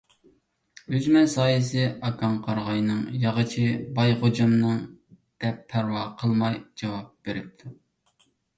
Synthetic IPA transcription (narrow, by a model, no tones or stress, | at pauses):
yzmɛsɑːjɨsɨɑkʰɑŋqʰɑɾʁɑjnɨŋjɑʁət͡ʃʰibɑjχod͡ʒɑmnɨŋ | d̪̥ɛpʰːæɾwɑqʰəlˠmɑjd͡ʒɑwɑp̚b̥eɾɪp̚t̪ʰu